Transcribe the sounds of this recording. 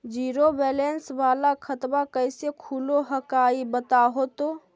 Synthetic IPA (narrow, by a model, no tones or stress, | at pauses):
d͡ʒiːɾobɛːlensbaːlakʰət̪bakəɪsekʰuloɦəkaibət̪aɦot̪o